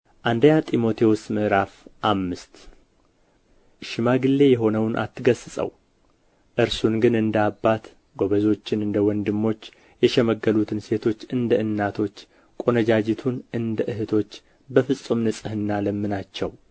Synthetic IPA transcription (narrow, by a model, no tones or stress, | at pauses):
ʔand̪əɲat̪ʼimo̞t̪ʰewosməʔɾafʔamːɨst̪ | ʃɪmaɡɨlːe̞jɛɦo̞nəwnʔa̰t̪ʰːɨɡəsɨsʼə̰w | ʔɨɾsunɡɨnɨnd̪əabːat̪ | ɡo̞βəzo̞t͡ʃːɪnɨnd̪əwɔnd̪ɨmːo̞t͡ʃː | jɛʃɛməɡːəlut̪ʰɨnse̞t̪ʰo̞t͡ʃːɨnd̪əɨnːat̪ʰo̞t͡ʃː | kʼo̞nəd͡ʒad͡ʒɪt̪ʰunɨnd̪əʔɨhɨt̪ʰo̞t͡ʃː | bəfɨsʼumnɨsʼɨhɨnːaləmːɨnat͡ʃːɛw